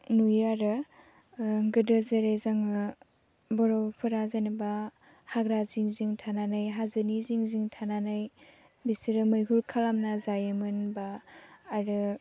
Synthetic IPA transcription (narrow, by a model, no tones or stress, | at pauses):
nujaɾɯ | ɡɯdɯzeɾejzaŋɯ | bɔɾɔwpʰɯɾazanɯba | haɡɾaziŋziŋtʰananajɦazɯniziŋziŋtʰananaj | bisiɾɯmɯjkʰulkʰalamnazajɯmɯnbaː | ɾɯ